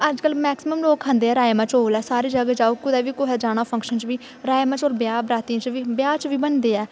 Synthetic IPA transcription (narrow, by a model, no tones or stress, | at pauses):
əd͡ʒkəlmɛːksɪməmloːkʰːə̃nd̪eːɛːɾaːemãːt͡ʃoːlɛːsaːɾiːd͡ʒəɡaːd͡ʒaːoːkʊd̪ɛːʋiːkoɦɛːd͡ʒaːñaːpʰə̃ŋkʃənt͡ʃʋiː | ɾaːemãːt͡ʃoːlbjaːbɾaːt̪iːãt͡ʃʋiːbjaːt͡ʃʋiːbənd̪eːɛː